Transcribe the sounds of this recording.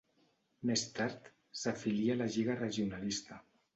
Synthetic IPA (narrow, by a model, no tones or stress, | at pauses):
mest̪aɾt̪ | safilialaʒiɣareʒiunalist̪a